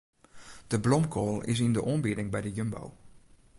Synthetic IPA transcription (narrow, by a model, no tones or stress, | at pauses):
d̥əblɔmkʰoːlˠɪ̰s̬ɪndəʔoːmbidɪŋbɛjdəjømbo̰w